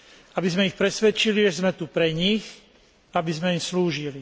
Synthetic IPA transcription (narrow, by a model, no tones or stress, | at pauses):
abizmɛixpɾɛsʋɛt͡ʃiliʒɛzmɛt̪upɾɛɲix | abizmɛimsluːʒili